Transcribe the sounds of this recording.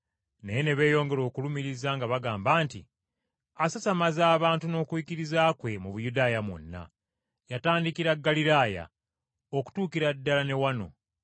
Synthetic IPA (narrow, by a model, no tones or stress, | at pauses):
nejene̞βe̞ːjo̞ːŋɡe̞ɾo̞ːkulumiɾizaːŋɡaβaɡaːmbaːntḭ | asasamazaːβaːntuno̞ːkwikiɾizaːkwe̞muβujudaːjamwo̰nːa̰ | jataːndikiɾaɡːaliɾaːja̰ | oku̥tuːkiɾadːalane̞wano̞̰